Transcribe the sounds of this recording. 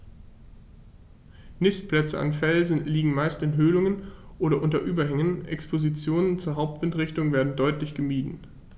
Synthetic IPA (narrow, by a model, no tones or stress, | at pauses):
nɪstplɛt͡səa̰nfɛlzn̩liːɡŋ̩maɪstɪnɦøːlʊŋənʔoːɾɐʔʊntɐʔyːbɐɦɛŋənʔɛ̰kspʰozit͡sjoːnənt͡suːɐɦaʊp̚tv̥ɪntʁɪçtʊŋveːɐdn̩dɔʏtlɪçɡ̥əmiːdn̩